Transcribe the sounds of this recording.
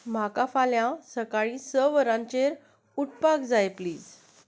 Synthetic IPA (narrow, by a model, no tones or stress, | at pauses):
m̤akafaljãsəkaɭĩsəʋəɾãɲt͡ɕeɾ | uʈpaɡd͡zaepliːd͡z